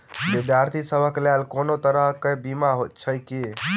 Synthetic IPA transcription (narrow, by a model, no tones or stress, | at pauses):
bid̪ʱjaɾt̪ʰisəbʱəklalkonot̪əɾəɦkebimaɦot̪̚t͡ʃʰəjki